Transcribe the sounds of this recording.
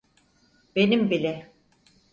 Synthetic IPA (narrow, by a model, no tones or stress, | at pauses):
be̞nimbilʲɛ